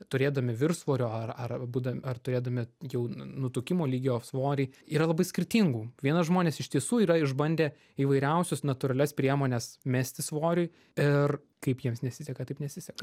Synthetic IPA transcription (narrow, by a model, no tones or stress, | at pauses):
t̪ʊɾʲeːd̪ɐmʲɪʋʲɪrsʋoːɾʲoːɐrɐrbuːd̪ɐɐrt̪ʊɾʲeːd̪ɐmʲɪjɛʊnʊt̪ʊkʲɪmoːlʲiːɡʲoːsʋoːɾʲɛiːɾɐlˠɐbɐɪsʲkʲɪɾʲt̪ʲiŋɡuːʋʲiɛnɐsʒmoːnʲeːsɪʃʲt̪ʲiɛsuːiːɾɐɪʒbɐnʲd̪ʲeː | iːʋɐɪɾʲɛʊsʲʊsnɐt̪ʊɾɐlʲɛspʲɾʲiɛmoːnʲɛsmʲæːsʲt̪ʲɪsʋoːɾʲʊɪ | ɪr | kɐɪpjiɛmsnʲɛsʲɪsʲɛkɐt̪ɐɪpnʲɛsʲɪsʲɛkɐ